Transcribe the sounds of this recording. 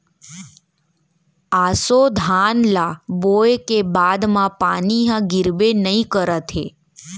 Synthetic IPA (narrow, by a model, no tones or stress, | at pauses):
asod̪ʱanlabojkebad̪mãpaniɦãɡɪɾbenəĩkəɾət̪ʰḛ